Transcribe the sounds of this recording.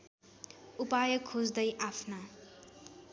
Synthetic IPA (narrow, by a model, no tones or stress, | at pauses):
upajʌkʰːod͡zd̪ʌjʔapʰna